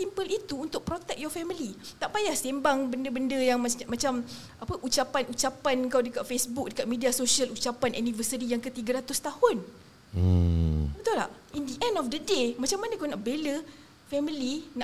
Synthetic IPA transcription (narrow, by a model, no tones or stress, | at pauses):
simpəlit̪uːnt̪ʊk̚pɾot̪ɛk̚jɔfɛmilit̪aʔpajahsembaŋbəndəbəndəjaŋmamãt͡ʃam | ʔapəʔut͡ʃapanut͡ʃapanŋkawdəkat̪̚fesbʊk̚dəkat̪̚midiasosiəlut͡ʃapanʔɛnĩvəsəɾijaŋkət̪iɡəɾat̪ʊst̪ahʊn̩ | bət̪ʊla̰ʔ | indiʔɛ̃ndɔfdədemãt͡ʃamːanãkawnaʔbelə | fɛmilina